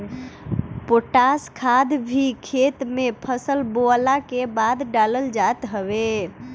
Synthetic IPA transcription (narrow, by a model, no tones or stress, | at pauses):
poʈaskʰad̪bʱikʰet̪mepʰəsəlboəlakebad̪ɖaləld͡ʒat̪ɦəbe